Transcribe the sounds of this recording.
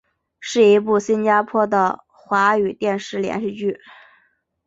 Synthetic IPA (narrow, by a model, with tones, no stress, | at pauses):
ʂɻ̩˥˩i˧˥p̬u˥˩ɕi˥nt͡ɕja˥pʰwɔ˥d̪ə˨˩ | xwa˧˥y˨˩t̪jɛ˥˧nʂɻ̩˥˩ljɛ̰˧˥nʂ̩˥˧t͡ɕy˥˩